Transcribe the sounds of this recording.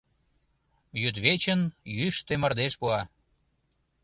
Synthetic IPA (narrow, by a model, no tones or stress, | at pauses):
jyd̪βet͡ɕənjyʃt̪emərd̪eʃpuɑ